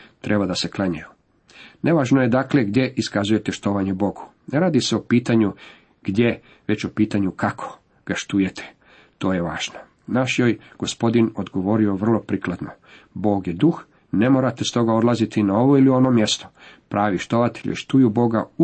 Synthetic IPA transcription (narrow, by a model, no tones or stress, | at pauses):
t̪ɾʔe̞bad̪ase̞klˠaɲaju | ne̞ʋaːʒnoje̞d̪akle̞ɡd̪je̞ʔiskazuje̞t̪eʃt̪o̞ʋaɲebo̞ɡu̥ | neɾaːd̪iseopiːt̪aɲu | ɡ̥d̪ʲje̞ | ʋe̞t͡ɕopiːt̪aɲukakʰo̞̥ | ɡ̥aʃt̪uje̞t̪ʰe̥ | t̪o̞ːje̞ʋaːʒ̥no | naʃjoːjɡ̥o̞spo̞d̪inod̪ɡo̞ʋo̞ɾio̞ʋr̩lˠo̞pɾiklˠad̪no | bo̞ːɡje̞d̪ux | ne̞mo̞ːɾat̪e̞st̪o̞ɡaod̪lˠazit̪inao̞ʋo̞ilio̞no̞mje̞st̪o̞̥pɾʔaːʋiʃt̪o̞ʋat̪eʎḛʃt̪ujubo̞ɡa̰u